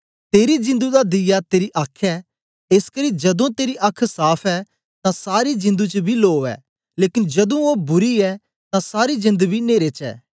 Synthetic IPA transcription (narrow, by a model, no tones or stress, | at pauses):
t̪eːɾid͡ʒɪ̃nd̪ud̪ad̪ɪjat̪eːɾiʔakʰɛː | ɪskɐɾid͡ʒɐd̪õt̪eːɾiʔɐkʰsaːpʰɛ | t̪ãsaːɾid͡ʒɪ̃nd̪ut͡ʃəbʱiloːɛ̰ː | leːkɪnd͡ʒɐd̪ũobʊɾiɛ | t̪ãsaːɾid͡ʒɪ̃nd̪bʱineːɾet͡ʃɛ̰ː